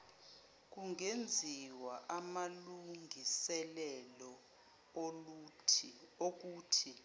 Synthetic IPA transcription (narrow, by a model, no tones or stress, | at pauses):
k̬ʼuŋend͡zʱiwaʔamaluŋʱisɛlɛlɔ | ok̬uːtʰi